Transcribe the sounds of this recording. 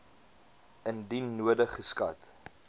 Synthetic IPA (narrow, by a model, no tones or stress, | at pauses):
əndinuədəχəskɐ̰t